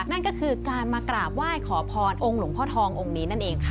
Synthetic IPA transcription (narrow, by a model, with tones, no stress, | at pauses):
na˥˩nkɔː˥˩kʰɯː˧kaː˧nmaː˧kɾaː˨˩p̚waː˥˩jkʰɔː˩˦pʰɔː˧nʔo˧ŋlu˨˩˦ŋpʰɔː˦˥t̪ʰɔː˧ŋʔo˧ŋniː˦˥na˥˩nʔeː˧ŋkʰa˦˥˩